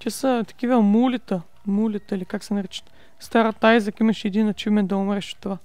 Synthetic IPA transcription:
t̪ʲasət̪ɐ̥k̟ivəmulit̪ə | mulʲit̪əilikaksɛnɐɾɛt͡ʃə̥ | st̪aɾɐt̪ajzɐkimɐʃɛd̪inɐt͡ʃimɛnd̪ɐʊmɾɛʃo̥t̪ːova

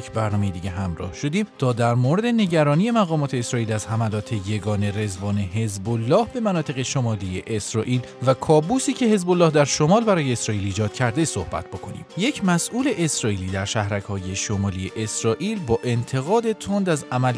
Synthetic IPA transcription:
bæɾnɒːme̞jed̪iːɟeɦæmɾɒ̰ːhʃo̞d̪iːmt̪ʰɒːd̪æɾmoɾe̞d̪e̞ne̞ɟæɾɒːniːje̞mæɣɒːmɒːt̪ʰe̞ːsɾɒːʔiːlæzhæmælɒːt̪ʰe̞je̞ɡɒːne̞ɾe̞zbɒːne̞ɦe̞zbolːɒːhbe̞mænɒːt̪ʰe̞ɣe̞ʃo̞mɒːlije̞ʔesɾɒːʔiːl | vækʰɒːbuːsiːcʰe̞he̞zbolːɒːhd̪æɾʃo̞mɒːlbæɾɒːje̞ːsɾɒːʔiːliːd͡ʒɒːd̪̥cʰæɾd̪e̞so̞hb̥æ̰t̪̚ʰb̥o̞kʰo̞nḭːmje̞cʰmæsʔuːle̞ʔesɾɒːʔiːliːd̪æɾʃæhɾækhɒːje̞ʃo̞mɒːlije̞ʔesɾɒːʔiːlbɒːʔe̞nt̪ʰe̞ɣɒːd̪e̞t̪ʰond̪æzæmæl

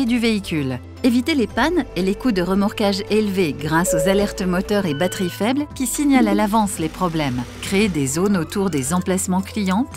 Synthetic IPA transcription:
ed̪yveikʲyl | evit̪elepanelekud̪əʁəmaʁkaʒelveɡʁasozalɛʁt̪əmɔt̪œʁebat̪χifɛblkʲisiɲalalavɑ̃slepχɔblɛmkχeed̪ezonot̪uʁd̪ezɑ̃plasmɑ̃klijɑ̃t̪

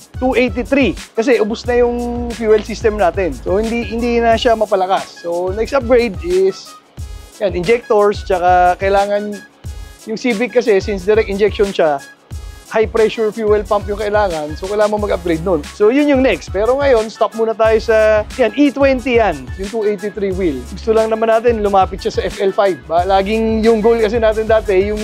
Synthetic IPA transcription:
t̪uʔejt̪it̪ɾikɐs̬ɛʔʊbʊsnɐjʊŋfjuːɛlsist̪ɛmnaːt̪ɛnso̞hɪnd̪ihɪnd̪inɐʃamɐpɐlɐkasːonɛksɐp̚ɡɾejd̪ʔɪs | janʔɪnd͡ʒɛk̚t̪oɹst͡ʃɐkakɐʔɪlaːŋɐn | jʊŋsiːbɪkkːɐsɛsɪnsd̪ɛɾɛk̚t̪ɪnd͡ʒɛk̚ʃonʃa | hajpɾɛʃʊɹfjuːɛlpampjʊŋkɐʔɪlaːŋɐnsokɐlaːɐmomɐɡɐp̚ɡɾejd̪̚nonso̞jʊnjʊŋnɛkst̪̚pɛːɾo̞ŋɐjo̞nst̪ap̚muːnɐt̪aːjo̞sɐjanʔit̪wɛnt̪ijanjʊŋt̪uʔejt̪it̪ɾiwilɡʊst̪ʊlɐŋnɐmanːaːt̪ɪnlʊmaːpɪt̪̚ʃasɐʔɛfʔɛlfajbːalaːɡɪŋjʊŋɡolkɐs̬ɛnaːt̪ɪnd̪aːt̪ɛjʊŋ

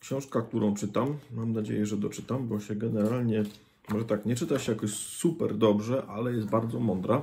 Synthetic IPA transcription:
kɕɔ̃w̃ʂkak̚t̪uɾɔ̃w̃t͡ʂɘt̪amːamnad͡ʑḛjɛʐɛd̪ɔt͡ʂɘt̪ambɔɕɛɡɛnɛɾalɲɛ | mɔʐɛt̪akɲɛt͡ʂɘt̪aɕɛjakɔɕsupɛ̰ɾd̪ɔbʐɛʔalɛjɛst̪baɾd̪zɔmɔnd̪ɾa

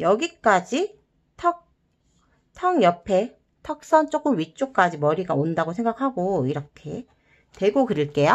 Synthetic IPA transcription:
jʌɡik͈ad͡ʑi | tʰʌk̚ | tʰʌŋjʌpʰe̞ | tʰʌk̚s͈ʌnt͡ɕ͈ok͈ɯmɥit͡ɕ͈ok̚k͈ad͡ʑimʌɾiɡaondaɡosʰe̞ŋɡakʰaɡoiɾʌkʰe̞ | te̞ɡokɯɾɯɭk͈e̞ja

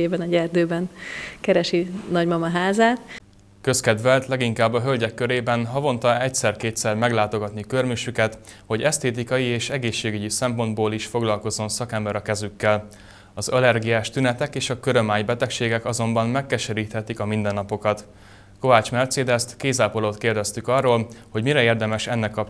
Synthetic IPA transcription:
eːbɛnɒɟɛrd̪øːbɛnkɛɾɛʃinɒɟmɒmɒɦaːzaːt̪ | kø̞skɛd̪ʋɛlt̪lɛɡiŋkaːbːɒɦø̞lɟɛkːø̞ɾeːbɛnɦɒvo̞nt̪ɒɛcsɛrkeːt̪sɛrmɛɡlaːt̪o̞ɡɒt̪nikørmyʃykɛt̪ | ho̞ɟɛst̪eːt̪̬ikɒjieːʃɛɡeːʃːeːɡyɟisɛmpo̞nd̪boːliʃfo̞ɡlɒlko̞zːo̞nsɒkɛmbɛɾɒkɛzykːɛl | ɒzɒlɛrɡijaːʃt̪ynɛt̪ɛkeːʃɒkøɾømaːjbɛt̪ɛkʃeːɡɛkɒzo̞mbɒnmɛkːɛʃɛɾiːt̪hɛt̪ikɒmind̪ɛnːɒpo̞kɒt̪ | ko̞vaːt͡ʃmɛrt̪seːd̪ɛst̪keːzaːpoloːt̪keːrd̪ɛst̪ykɒrːoːlho̞ɟmiɾɛeːrd̪ɛmɛʃɛnːɛkːɒp

